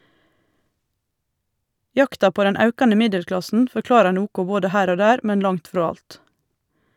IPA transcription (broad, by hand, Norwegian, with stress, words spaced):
ˈjɑktɑ ˈpoː ˈdɛn ˈɑʉkɑnə ˈmɪdɛlˌklɑsn̩ fɔɾˈklɑːɾɑɾ ˈnuːkʊ ˈboːdə ˈhæːɾ ˈoː ˈdæːɾ ˈmɛn ˈlɑŋt ˈfɾɔ ˈɑlt